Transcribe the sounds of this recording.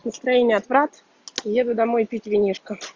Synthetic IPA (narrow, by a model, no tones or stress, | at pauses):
nəst̪ɾɐjenʲɪəɐt̪vɾat̪ | jed̪ʊd̪ɐmo̞jpʲitʲvʲɪnʲiʂkə